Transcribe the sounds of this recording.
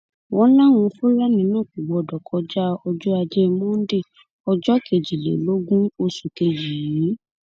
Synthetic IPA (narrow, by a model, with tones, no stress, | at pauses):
wɔ̃˨˦lã˦˨w̃ũ˧fo˦la˦nĩ˧˦nãː˦˨ku˨ɡ͡bɔ˨dɔ˨kʰɔ˧˦d͡ʒa˦ɔ˧d͡ʒɔ˦a˧d͡ʒɛ˦˧mɔ̃˦n̩˦de˦˨ | ɔ˧d͡ʒɔ˦ke˨d͡ʒi˨lḛ˨lo˦ɡũ˦o˧su˨ke˧d͡ʒi˨ji˨˦